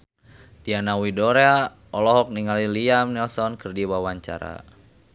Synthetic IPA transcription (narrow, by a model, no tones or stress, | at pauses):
d̥ianawidɔɾea | ɔlɔɦɔk̚niŋaliliamnɛlsɔnkɨrdiwawaɲt͡ʃa̰ɾa̰